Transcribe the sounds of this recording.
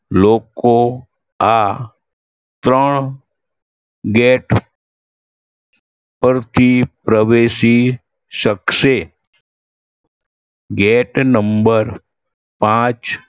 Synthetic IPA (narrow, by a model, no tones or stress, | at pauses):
loko | a | t̪ɾəɳ̃ | ɡeʈ | pəɾt̪ʰipɾəʋeʃi | ʃəkʃe | ɡeʈnəmbəɾ | pãt͡ʃ